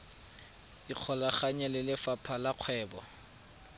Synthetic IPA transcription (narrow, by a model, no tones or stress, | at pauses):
iq͡χʰɔlaχaɲɛlɪlɪfapʰalaq͡χʰwɛːbɔ̰